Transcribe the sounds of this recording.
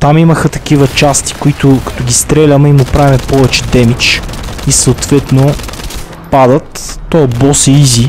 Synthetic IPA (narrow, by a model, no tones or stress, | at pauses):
t̪amiməxət̪ɐ̥k̟ivət͡ʃast̪i̥kʊit̪ʊkɐ̥t̪ɔɡʲist̪ɾɛlʲəmɛimʊpɾavʲimɛpɔvɛt͡ʃɛ̥d̪ɛmit͡ʃisɐot̪vɛt̪no | pad̪ət̪ːobɔsiizʲi